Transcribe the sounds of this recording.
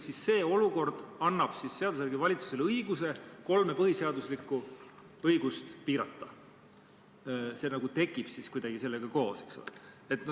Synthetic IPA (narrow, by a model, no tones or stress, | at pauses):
sisːe̞ːo̞luko̞rd̪̥ɑnːɑb̥sisːeɑd̪usjærɡivɑlʲit̪su̥selɤjɡ̥use̞ko̞lme̞pɤhiseɑd̪uslikːˑu | ɤjɡ̥ust̪piːɾɑt̪ˑːɑ̥ | se̞nɑɡ̥ut̪e̞kːˑib̥siskujd̪̥ɑɡ̥ise̞lːeɡ̥ɑko̞ːse̞kso̰le | et̪n